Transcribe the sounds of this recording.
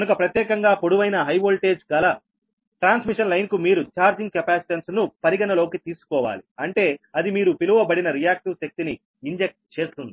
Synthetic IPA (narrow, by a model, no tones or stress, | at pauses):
kɐnukɐpɾɐt̪jɛːkɐŋɡaːpo̞ɽuʋɐjnɐɦɐjʋoːlʈe̞ːd͡ʒɡɐlɐ | ʈɾaːnsmiʂɐnlɐjnkumiːɾut͡ʃaːɾd͡ʒiŋɡkɐpaːsi̥ʈɐnsnupɐɾiɡɐnɐlo̞ːkit̪iːsu̥kɔːʋa̰ːliɐɳʈe̞ːɐd̪imiːɾupiluʋɐbɐɽinɐɾijaːk̚ʈusek̚t̪iniː | ɲd͡ʒek̚ʈ̚t͡ʃe̞ːst̪und̪i